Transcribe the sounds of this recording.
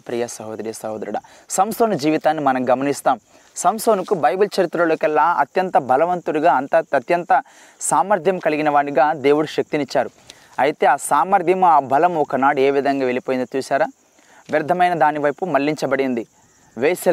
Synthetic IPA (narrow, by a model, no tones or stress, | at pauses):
pɾijasɐɦoːd̪ɐɾijɐsɐɦoːd̪ɐɾuɽa̰ | sɐmsoːnud͡ʒiːʋit̪aːnːimɐnɐmɡɐmɐnist̪aːm | sɐmsoːnukubɐjbult͡ʃɐɾit̪ɾɐloːkɛlːaːɐ̰t̪jɐnt̪ɐbʱɐlɐʋɐnt̪uɽiɡaːɐnt̪ɐɐt̪jɐnt̪ɐ | saːmɐɾd̪ʱjɐmkɐliɡinɐʋaːɳiɡaːd̪e̞ːwuɽuʃɐk̚t̪init͡ʃːaːɾu | ɐjit̪e̞ːaːsaːmɐɾd̪ʱjɐmaːbʱɐlɐmɔkɐnaːɽue̞ːʋid̪ʱɐŋɡaːʋe̞lipoːjind̪ot͡ʃ̪uːsaːɾaː | ʋiɾd̪ʱɐmɐjnɐd̪aːniʋɐjpumɐlːiɲt͡ʃɐbɐɽind̪i | ʋeːsɐ